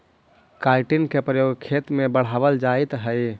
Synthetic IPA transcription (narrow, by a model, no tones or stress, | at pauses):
kaɪʈinkepɾəjoɡkʰet̪mebəɽ̤abəld͡ʒait̪ɦəj